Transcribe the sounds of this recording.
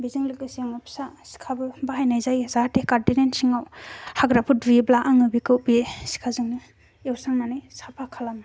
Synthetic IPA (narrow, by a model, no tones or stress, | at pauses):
biziŋlɯkɯsiaŋɔpʰsasi̥kʰabɯbaɦajnajzajzatekaɾtinensiŋawhaɡɾapʰudɾiblaʔaŋɯbikɯwbisi̥kʰazɯŋni | ewsaŋnanɯjsapʰakʰalam